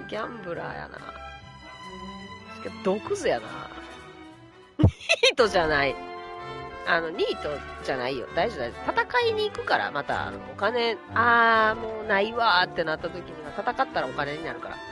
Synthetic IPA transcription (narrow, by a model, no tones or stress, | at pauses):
ɡʲãmbɯ̟ɾa̰ja̰na̰ | ɯkʲad̪o̞kɯ̟zɨjana̰ | ɲʲiːt̪o̞ʑanai | ano̞ɲ̟ʲiːt̪o̞d͡ʑanaijo̞̰d̪aiʑod̪aiot̪at̪akaiɲ̟iːkɯ̟kaɾa̰mat̪a̰a̰no̰okane̞aːmoːnaiβat̪ːe̞nat̪ːat̪o̞kʲiɲ̟iβat̪at̪akat̪ːaɾaokane̞ɲ̟inaɾɯ̟kaɾa̰